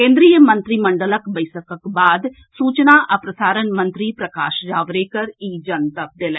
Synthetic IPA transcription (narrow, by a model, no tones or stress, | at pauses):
kẽːnd̪ɾiːjəmə̃nt̪ɾiːməɳɖələkbəɪsəkəkbaːd̪ | suːt͡ʃnaːʔəpɾəsaːɾənmə̃nt̪ɾiːpɾəkaːʃd͡ʒaːʋɾeːkəɾiːd͡ʒənt̪əp̚d̪eːlɛ